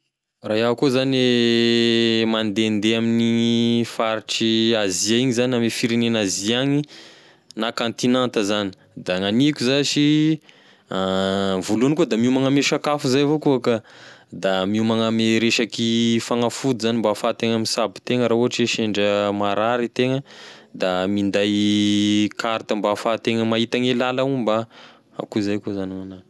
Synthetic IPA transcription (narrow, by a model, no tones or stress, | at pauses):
raɦiaakuzane | mand̪end̪eaminifaɾiʈ͡ʂiaziaiɲizanamefiɾenenaziaŋi | nakant̪inant̪əzani̥ | d̪aŋanikʲuzaʃi | vulunikuəd̪amiumaŋameʃakafuzajvokuakad̪amiumaŋameɾeʃakifaŋafud̪zanimbafat̪eŋəmisabi̥t̪eŋəɾauɦaʈ͡ʂeʃeɳɖ͡ʐəmaɾaɾit̪eŋəd̪amind̪aj | kaɾt̪əmbafat̪eŋəmaɦit̪aŋelalaumba | a̰kuzajkozanimana